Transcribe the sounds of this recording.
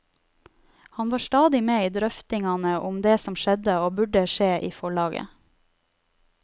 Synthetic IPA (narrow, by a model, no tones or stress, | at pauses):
hɑnʋɑːʃt̪ɑːd̪ɪmeːiːd̪ɾœft̪ɪŋɑnəʔʊmd̪eːsɔmʃɛd̪əoːbʉɖəʃeːʔiːfɔɭɑːɡə̰